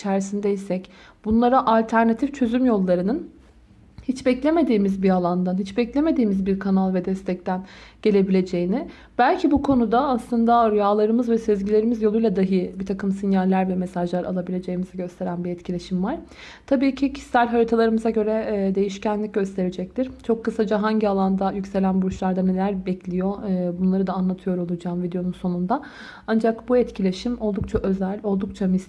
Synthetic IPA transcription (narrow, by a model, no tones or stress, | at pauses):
t͡ʃʰæɾsind̪ɛjisɛc | b̥unlˠaɾaʔalʲt̪ʰæɾnat̪ʰift͡ʃʰø̞zymjo̞lˠːaɾɯnɯn | hit͡ʃbɛclʲe̞me̞d̪iːmizbialˠand̪anhit͡ʃbɛclʲe̞me̞d̪iːmizbiɾkʰanalˠvɛd̪ɛst̪ʰɛc̚t̪ʰænɟ̥e̞lʲe̞bilʲe̞d͡ʒe̞jinɪ | b̥ælʲcʰibukʰo̞nud̪aːslˠɯnd̪aɾujaːlˠaɾɯmɯzvɛsezɟilʲe̞ɾimizjolujlˠad̪aɦɯbit̪ʰakɯmsinjalʲːæɾbʲɛmesaʒlˠaɾa̰lˠabilʲe̞d͡ʒe̞jimiziɟø̞st̪ʰe̞ɾænbiɛt̪cʰilʲe̞ʃimvaɾ̥ | t̪ʰabiːcʰicʰi̥sælʲɦaɾit̪ʰalˠaɾɯmɯzaɟø̞ɾɛd̪e̞jiʃcænlʲic̚ɟø̞st̪ʰe̞ɾed͡ʒɛc̚t̪ʰiɾt͡ʃʰokʰːɯsad͡ʒaɦaɲɟialˠand̪ajycʲse̞lʲænbuʃlˠaɾd̪ane̞lʲæɾbɛclʲijo̞bunlˠaɾɯd̪aːnlˠat̪ʰɯjo̞ɾo̞lˠud͡ʒaːmvid̪ejo̞nunso̞nund̪a | and͡ʒakbuɛt̪cʰilʲeʃimo̞lˠd̪uk̚t͡ʃʰaʔø̞zælʲo̞lˠd̪uk̚t͡ʃʰamis